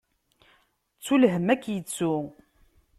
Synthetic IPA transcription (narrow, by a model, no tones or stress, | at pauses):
t͡sːulɦəmækːjət͡sːu